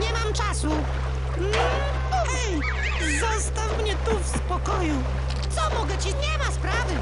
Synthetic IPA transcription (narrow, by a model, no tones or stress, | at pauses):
ɲɛmamt͡ʂasu | m̩ | uvɛj | zɔst̪afmɲɛt̪ufspɔkɔju | t̪sɔmɔɡɛt͡ɕiɲɛmaspɾavɘ